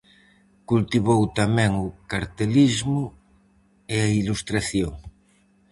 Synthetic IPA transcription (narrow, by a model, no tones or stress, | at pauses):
kult̪iβowt̪amɛ̃ŋokaɾt̪elizmu | eailust̪ɾaθjoŋ